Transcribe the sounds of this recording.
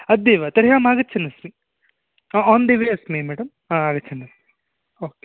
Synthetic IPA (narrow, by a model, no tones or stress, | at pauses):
ɐd̪ːeːʋat̪ɐɾɦjaːmaːɡɐt͡ʃʰɐnːɐsmi | ɔːnd̪ɐʋeɐsmemɛːɽɐm | aaːɡɐtːt͡ʃʰɐnːɐs | oːke̥